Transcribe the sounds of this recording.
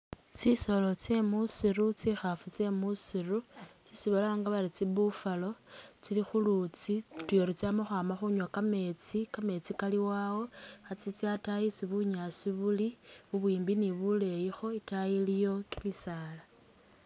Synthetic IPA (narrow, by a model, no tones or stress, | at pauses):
t͡siso̞lo̞t͡se̞musirut͡sixafut͡se̞musirut͡sisiβalaŋɡaβaɾit͡siβufalo̞t͡silixulut͡situjoɾit͡samoxwaːmaxuɲwakame̞t͡sikame̞t͡sikaliwawo̞xat͡sit͡sjatajisiβuɲasiβuliβuβwiːmbiniβule̞jixo̞itajilijo̞kimisaːla